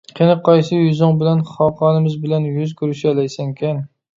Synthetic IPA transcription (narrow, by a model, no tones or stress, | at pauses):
qʲʰenɪqʰɑjsɨjyzɪŋbɪlænχɑqʰɑːnɪmɪzbɪlænjyzkʰʲyɾɪʃɪælæjsɪŋkʲʰɛn